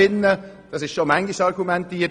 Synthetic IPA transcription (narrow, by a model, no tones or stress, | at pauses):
ɪnːə | d̥ɑsɪʃʃomæŋɡiʃɑɾɡumɛntiː